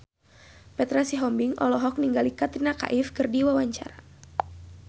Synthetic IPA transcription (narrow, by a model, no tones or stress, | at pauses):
pɛt̪ɾasiɦɔmbiŋʔɔ̰lɔɦɔk̚niŋɡalikat̪ɾinaka̰ʔifkɨrdiwawaɲt͡ʃa̰ɾa